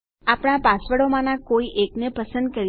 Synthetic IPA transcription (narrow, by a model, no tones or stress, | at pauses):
apɽ̃apasʋəɽomãnãkoiʔeknepəsə̃nd̪̚kəɾi